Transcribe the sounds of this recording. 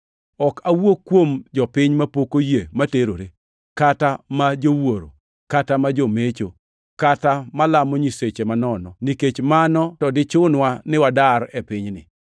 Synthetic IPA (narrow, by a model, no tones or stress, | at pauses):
ɔkawokːwomd͡ʒɔpɪɲmapokojemateɾoɾe | katamad͡ʒowoɾo̰ | katamad͡ʒomet͡ʃo | katamalamɔɲiset͡ʃemanɔnɔ̰niket͡ʃmanɔtɔdɪt͡ʃʊnwanɪwadaɾepɪɲnɪ̰